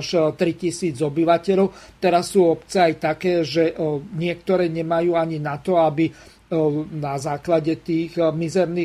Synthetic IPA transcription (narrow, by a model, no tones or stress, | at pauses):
ʃt̪ɾicisiːd͡zɔbiʋacɛʎɔʊt̪ɛɾasːuːɔpt͡sɛajt̪akɛːʒɛɲɪɛkt̪ɔɾɛːɲɛmajuːaɲinat̪ɔabi | nazaːklaɟɛt̪iːɣmizɛɾniː